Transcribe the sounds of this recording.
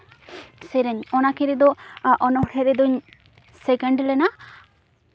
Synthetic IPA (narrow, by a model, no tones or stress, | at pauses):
sɛɾɛɲɔnakɛɾɛd̪ɔʔɔnɔhʈʰɛɾɛd̪ɔɲ | sɛkɛɳɖlɛna